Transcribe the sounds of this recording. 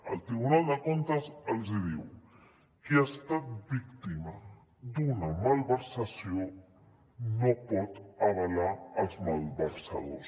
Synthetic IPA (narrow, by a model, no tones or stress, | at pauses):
ə̰lt̪ɾiβunald̪əkont̪azalziðiw | kiast̪at̪̚bikt̪ima | d̪unamalβəɾsasjo | nopɔt̪aβalaɾlzmalβəɾsa̰ðos